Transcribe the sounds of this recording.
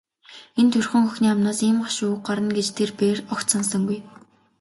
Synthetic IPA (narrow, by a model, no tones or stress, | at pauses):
ent̪ʰɵrxɵ̆ŋxɵxniːamnaːsiːmɢɔʃuːk̚ɢɔɾə̆nɡet͡ɕt̪ʰerpeːrɔkt̪sans̬ə̆ŋɡuj